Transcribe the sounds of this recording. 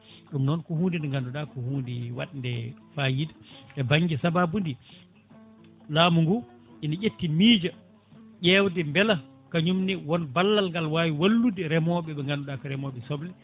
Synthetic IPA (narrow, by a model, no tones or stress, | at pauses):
ɗumnɔnkɔhuːndindɛŋɡanduɗakɔhuːndiwa̰ɗndɛfaːjidaɓɛbaŋɡisababundi | laːmuŋɡu | ʔinaʔetːimiːd͡ʒa | ʄɛːwdɛmbɛla | kaɲumniwɔnbalːalŋɡalwawiwalːudiɾɛmɔɓɛɓɛŋɡanduɗakɔɾɛmɔɓɛsɔblɛ